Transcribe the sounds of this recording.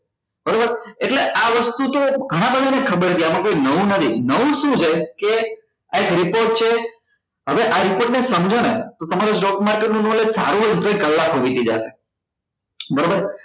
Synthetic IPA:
bəɾobəɾeʈleaʋəst̪ut̪oɡʱəɽ̃ãbəd̪ʱanekʰəbəɾt̪ʰiamãkoinəʋũnət̪ʰinəʋũʃũt͡ʃʰeke | aekɾipoɾʈ̚t͡ʃʰe | ɦəʋeʔaɾipoɾʈnesəmd͡ʒʱonet̪ot̪əmaɾosʈokmaɾkeʈnũnolesaɾũʋəd̪ʱut̪oikəlːakɦoʋit̪ʰid͡ʒa̰ʃe | bəɾobəɾ

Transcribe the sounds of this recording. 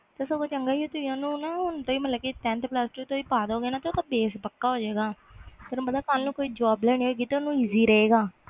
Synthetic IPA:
t̪esəboːt͡ʃəŋɡaːioːt̪ʊijãːnũːnaɦʊnt̪õːiːmət̪ləkiːt̪ɛ̃ːnt̪plaːsʈːit̪õːiːpaːd̪oːɡeːnaːt̪eot̪ãbeːspəkːaːɦoːd͡ʒeːɡaː | t̪eɾ̃bənd̪aːkaːlnũːkoːiːd͡ʒaːblɛːñiːɦoiɡiːt̪eonũːiːziːɾəeːɡaː

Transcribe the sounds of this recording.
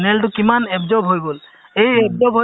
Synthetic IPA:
nelt̬ʊkimanebzɔbɦojbol | ejɛbzɔbʱɦo

